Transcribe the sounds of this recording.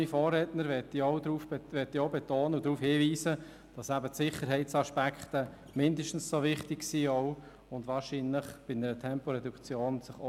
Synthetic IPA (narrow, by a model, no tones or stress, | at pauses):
ifɔːrːɛtnəɾʋɛtiɔʊdɾuːfʋɛtːiɔʊbɛtoːnəud̥ɾuːfhiːviːsə | d̥ɑsæbətsɪχəɾɦɛɪtsɑʃpækχtə | mɪndəʃtn̩ssoʋɪχtɪksiːɔʊ | ʊndʋɑːɾʃiːnləχb̥ɪnəɾətʰɛmpoɾɛdukt͡sjoːnsɪχo